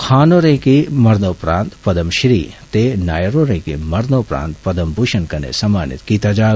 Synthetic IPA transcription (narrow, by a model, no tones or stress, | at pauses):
kʰaːnoːɾẽːkimɐɾnoːpɾaːnt̪pɐd̪ɐmʃɾiːt̪enaːjɐɾoːɾẽːkḭmɐɾnoːpɾã̰ːnt̪̚pɐd̪ɐmbʱuʃɐnkɐnḛsɐmaːnḭt̪kit̪ɐd͡ʒaː